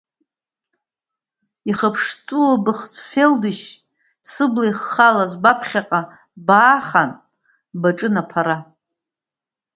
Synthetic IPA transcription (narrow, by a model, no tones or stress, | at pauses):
iχəpʰʂtʼulabɨχt͡sʰʼfeldɨʃ | sɨblajχːalazbapʰχʲaqʼa | baːχan | baʈ͡ʂʼɨnapʰaɾa